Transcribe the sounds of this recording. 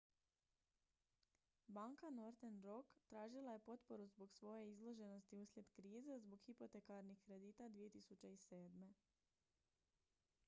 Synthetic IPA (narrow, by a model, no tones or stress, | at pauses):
baŋkano̞ɾt̪enɾokt̪ɾaːʒilˠaje̞po̞t̪po̞ɾuzbo̞ɡsʋo̞je̞izlˠo̞ʒe̞no̞st̪iuslʲje̞d̪kɾiːzezbo̞ɡxipo̞t̪e̞kaɾnixkɾe̞d̪iːt̪ad̪ʋije̞t̪isut͡ɕe̞ise̞ːd̪me̞